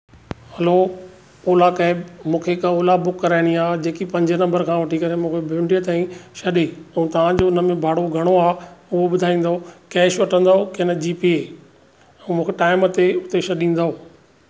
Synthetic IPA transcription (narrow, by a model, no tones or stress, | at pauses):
hɐlo | oːlakɐ̃mũːkʰekaoːlabʊkːɐɾaːɪɽ̃iaːd͡ʑeːkipɐ̃ɲd͡ʑənɐ̃mbəɾkʰãːʋɐʈʰikɐɾemũːkʰebʱɪɪ̃ɳɖiət̪aːĩʃɐɗeɛ̃t̪ɐʋ̤ãd͡ʑoʊnəmẽbʱaːɽoɡʱɐɽ̃oaːʊɦoɓʊd̪ʱaːĩːn̆d̪aokɛːʃʋɐʈʰə̃nd̪aɦokeːnəd͡ʑiːpie | ɛ̃mũːkʰeʈaːɪmət̪eʊt̪eʃɐɗĩːn̆d̪aɦoː